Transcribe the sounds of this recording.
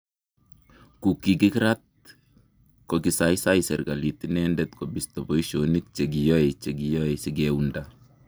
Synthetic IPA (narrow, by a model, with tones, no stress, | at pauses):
ku˨kːi˨ki˦kɾa˦t̚ | koki˨sa˦jsa˦jsɛ˨ɾka˨li˨tinɛ˦ndɛt̪ko˨bi˨stɔ˨bɔ˦i˦ʃo˨ni˦k̚t͡ʃe˨ɡ̬i˨jɔ˦ɛ˨t͡ʃe˨ɡijɔ˦ɛsi˦ɡeunda